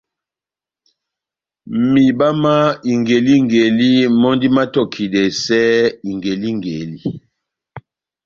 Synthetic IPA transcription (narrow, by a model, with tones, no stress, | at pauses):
mi˨ba˦ma˦i˨ŋɡe˨li˦ŋɡe˨li˦mɔ˦ndi˦ma˦tɔ˦kʰi˨dɛ˨sɛ˦i˨ŋɡe˨li˦ŋɡe˨li˦